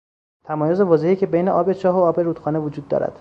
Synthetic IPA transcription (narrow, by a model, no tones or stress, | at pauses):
t̪ʰæmɒːjozevɒːzehicʲʰebejneʔɒːbet͡ʃʰɒːɦoɒːbeɾuːd̪̥xɒːnevod͡ʒuːd̪ːɒ̰ːɾæ̰d̪̥